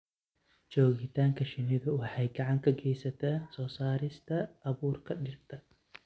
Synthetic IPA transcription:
t͡ʃɔːɣɪt̪ʰaːŋkʰɐʃɪnɪðɐwɑħɑjɡɐʕɑŋkʰɐɡɛjsɐt̪ʰɐːsɔːsaːɾɪst̪ʰɐːβuːrkʰɐɗɪrt̪ʰɐ

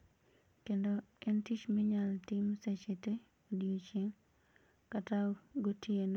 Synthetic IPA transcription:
kendoɛntit͡ʃmiɲaltimset͡ʃete | odiot͡ʃeŋ | kataɡotjen

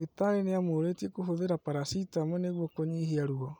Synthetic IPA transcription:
etaɾeneamoːɾetiekoɦoðeɾapaɾasitamwɛneɣwɔkoɲiɦiaɾuɔ

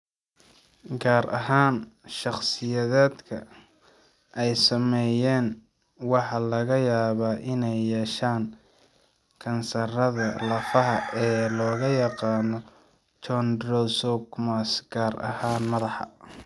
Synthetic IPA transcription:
ɡaːɾɐ̰ɦaːnʃɑχsɪjɐðɛːd̪kʰɐ̰ | ʔɛjsɐmɛjɛːn | wɑħɑlɐɣɐjaːβaːʔɪnɛjːɛːʃaːŋ | kʰɐnsɐrɐðɐlɐfɐɦɐʔɛːlɔːɣɐjɑqɑːnɔ | t͡ʃɔndrɔsɔɡmasɡ̥aːɾɐ̰haːnmɐðɑħɑ̰

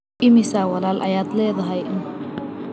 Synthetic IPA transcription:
ɪmɪsaːwɑlaːlʔɐ̰jaːd̪lɛːðɐɦɛjɪn

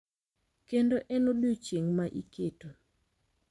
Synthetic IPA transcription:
kendoʔɛnoɗut͡ʃeŋmaʔḭketu

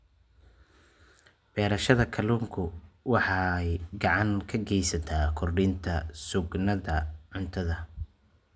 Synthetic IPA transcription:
b̥ɛːɾɐʃɐðɐkʰɐluːŋkʰʊwɑħɑjɡɑʕɑŋkʰɐɡɛjsɐt̪ʰaːkʰʊrɖɪnt̪ʰɐsʊɡnɐðɐʕʊnt̪ʰɐðɐ

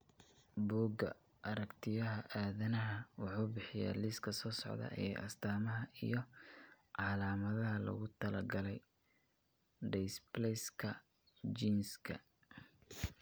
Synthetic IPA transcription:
buːɡɐ̰ | ʔɐɾɐkt̪ʰɪjɐɦɐʔaːðɐnɐɦɐwɑħuːbɪħɪja̰ːlɪskʰɐsɔːsɔ̰ʕðɐ̰ʔɛːʔɐ̰st̪ʰaːmɐɦɐḭjɞ | ʕɑːlaːmɐðɐɦɐlɐ̰ɣʊt̪ʰɐlɐɡɐlɛj | ɖɛjsblɛskʰɐ | d͡ʒiːnskʰɐ̰

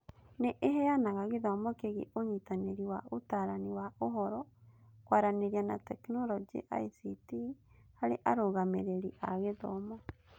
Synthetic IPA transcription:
neʔeɦɛjanaɣaɣeðɔmɔkeɣḛʔoɲitaneɾiwaotaɾaniwaoɦɔɾɔkwaɾaneɾiana̰tɛknɔɾɔd͡ʒḛʔa̰isiti | haɾḛʔaɾoɣameɾeɾiʔaɣeðɔ̰mɔ

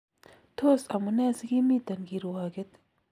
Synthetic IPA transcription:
t̪ʰoːsɐmunɛːsɡimiːt̪ɐnɡiɾoaːɡet̪

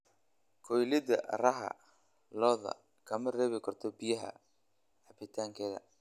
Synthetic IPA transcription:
kʰɔjlɪdɐrɐɦɐ̰ | lɔːðɐ̰ | kʰɐmɐrɛːβɪkʰɐrt̪ʰɔbɪjɐɦɐ̰ | ħɑbɪt̪ʰaːŋkʰɛːðɐ̰

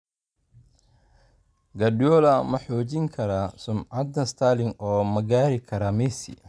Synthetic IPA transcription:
ɡɐdjɔːlɐmɐħɔːt͡ʃɪŋkʰɐɾasʊmʕɐd̪ɐst̪ʰaːlɪŋɔːmɐɡaːɾɪkʰɐɾɐmɛsɪ̰

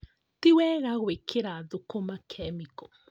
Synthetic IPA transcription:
tiwɛɣaɣwekʰeɾaðokomakʰɛmikɔ

